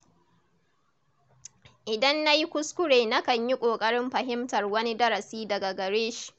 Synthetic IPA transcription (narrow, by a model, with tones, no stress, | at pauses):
ʔɪ˨dɐ˦nːa˦ji˦kʷʊ˦skʷʊ˦ɽeː˨na˦kɐ˨ɲji˦kʷʼoː˨kʼɐ˦ɽɪ˦mɸɐ˨ɦɪ˦mtɐ˨rwɐ˦ni˦dɐ˦ɾɐ˨siː˦dɐ˨ɡa˨ɡɐ˨ɽeː˦ʃi̥˨ʔ